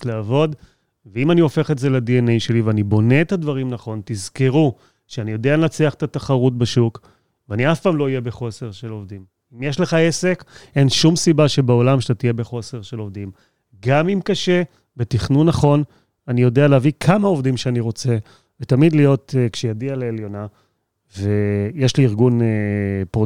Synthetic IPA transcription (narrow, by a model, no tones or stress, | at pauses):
leavo̞d̪ | veimanio̞fe̞χetzeledienejʃe̞liveanibo̞ne̞ːt̪ad̪vaʁimnaχo̞nt̪izkiʁu | ʃeanijo̞deanat͡seaχet̪at̪aχaʁut̬̚beʃuk | veaniafpaːmlo̞ijebeχo̞se̞ʁʃelo̞vdim | imjeʃleχaese̞ke̞nʃumsibaʃebeo̞lamʃat̪atije̞beχo̞se̞ʁʃelo̞vd̪im | ɡamimkaʃe̞ | bet̪iχnunːaχo̞n | anijo̞dealeavikʰamaovd̪imʃeaniʁo̞t͡se̞ | vet̪amid̪lijo̞tkʃejadialeeljo̞na | vejeʃliːʁɡunepo